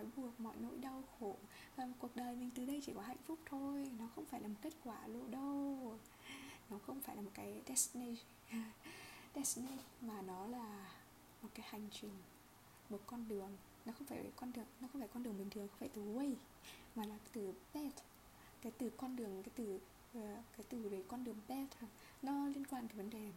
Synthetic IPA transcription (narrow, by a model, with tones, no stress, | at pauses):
ɔ˨˦jɓu˨˩ək̚mɔ̰˧˨jno̰˧˥˨jɗa˧wxo˧˩˨ | vaː˨˩˨ku˨˩ək̚ɗəː˨˩jmï˨˩ŋ̟t̪ɨ˨˩ɗə˧jt͡ɕi˧˩kɔ˨˦ɦa̰˧˨jŋ̟fʊ˦˥k͡p̚t̪ʰo˧jnɔ˨˦xə˧wŋ͡mfaː˧˩jlaː˨˩o˨˩t̚ke˦˥t̚kwaː˧˩lo̰˧˨ɗə˧w | nɔ˨˦xə˧wŋ͡mfaː˧˩jlaː˨˩mo˨˩t̚kaː˨˦jɗɛ˦˥sni˧ | ɗɛ˦˥sni˧maː˨˩nɔ˨˦laː˨˩ | mo˨˩t̚kaː˨˦jha˨˩jŋ̟t͡ɕï˨˩ŋ̟ | mo˨˩t̚kɔ˧nɗɨ˨˩əŋ | nɔ˨˦xə˧wŋ͡mfaː˧˩vḛ˨˩kɔ˧nɗɨ˨˩əŋnɔ˨˦xə˧wŋ͡mfaː˧˩jkɔ˧nɗɨ˨˩əŋɓï˨˩ŋt̪ʰɨ˨˩əŋxŋ͡mfaː˧˩jt̪ɨ˨˩wə˧j | maː˨˩laː˨˩˨t̪ɨ˨˩pɛ˦˥t̚ | kaː˨˦jt̪ɨ˨˩kɔ˧nɗɨ˨˩əŋkaː˨˦jt̪ɨ˨˩ | kaː˨˦jt̪ɨ˨˩ve˨˩kɔ˧nɗɨ˨˩əŋpɛ˦˥t̚ | nɔ˨˦li˧ənkwaː˧nkaː˨˦və˨˦nɗe˨˩